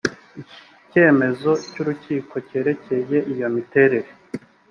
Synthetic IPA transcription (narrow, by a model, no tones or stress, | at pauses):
ii | ce̞ːme̞zo̞cuɾuciːko̞ce̞ːɾe̞ce̞je̞ʔijo̞mite̞ɾe̞ɾe̞